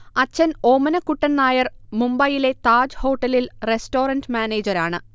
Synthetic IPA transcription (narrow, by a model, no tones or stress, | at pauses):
ɐt͡ɕːɐno̞ːmɐnɐkːuʈːɐnnaːjɐrmumbɐjile̞t̪aːd͡ʑho̞ːʈːɐlilresto̞ːrɐndmʲaːne̞ːd͡ʑɐɾaːɳɨ